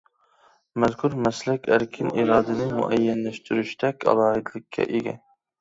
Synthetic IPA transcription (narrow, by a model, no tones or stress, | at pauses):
mɛzkʰuɾmæslækʲʰæɾkʲʰɪnʔiɾɑːd̪ɪnɪmṵʔæjːɛnlæʃt̪ʰyɾyʃt̪ʰɛkʲʰɑ̰lˠɑːɦɨd̪lɪkʲʰːɛ̰ʔeɡʲɛ̰